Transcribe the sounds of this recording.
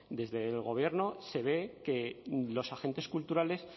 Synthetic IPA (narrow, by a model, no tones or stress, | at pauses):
d̪e̞zðe̞lɣo̞β̞je̞ɾno̞se̞βe̞ke̞lo̞saxe̞nt̪e̞skult̪uɾale̞s